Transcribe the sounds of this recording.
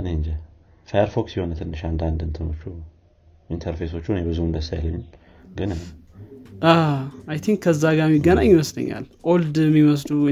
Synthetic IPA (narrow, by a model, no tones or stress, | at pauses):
ɨneɨnd͡ʒa | fajəɾfoksiho̞nət̪ʰɨnːɨʃand̪and̪ɨnt̪ʰɨno̞t͡ʃːu | int̪ʰəɾfeso̞t͡ʃːuhnebɨzuɨnd̪əsaja̰lːəɲːɪm | ɡɨn | ʔaajt̪ʰiŋkkʰːəzːaɡamːiɡːənaɲːiməslə̰ɲːa̰lʔold̪mːiməs̬lu